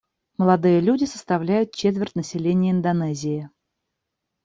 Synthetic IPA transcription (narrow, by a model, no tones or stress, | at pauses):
məlˠɐd̪ɨjəlʲudʲɪsə̥st̪ɐvlʲæjʊt̪̚t͡ɕet̪vʲɪrtʲnəsʲɪlʲenʲɪjəɪnd̪ɐnɛzʲɪɪ